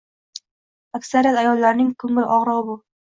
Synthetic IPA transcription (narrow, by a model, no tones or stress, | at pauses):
akʲsaɾijat̪ajɒlːaɾnɪŋkʰɵŋɪlʔɒʁɾɑʁbʊ